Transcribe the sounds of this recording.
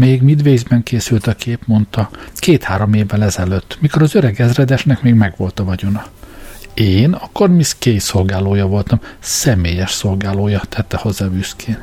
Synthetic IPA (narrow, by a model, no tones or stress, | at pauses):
meːɡmid̪ʋeːzbɛŋkeːsylt̪ɒkʰeːpmo̞nt̪ɒkeːt̪haːɾo̞meːvːɛlɛzɛløːt̪ːmiko̞ɾɒzøɾɛɡɛzrɛd̪ɛʃnɛkmeːɡmɛɡʋo̞lt̪ɒvɒɟonɒ | eːnɒkːormiskeːjso̞lɡaːloːjɒvo̞lt̪ɒmsɛmeːjɛʃso̞lɡaːloːjɒt̪ʰɛt̪ːɛho̞zːaːbyskʰeːn